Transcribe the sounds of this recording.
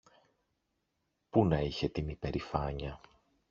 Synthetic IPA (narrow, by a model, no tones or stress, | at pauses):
punɐiçe̞t̪imipe̞ɾifɐɲɐ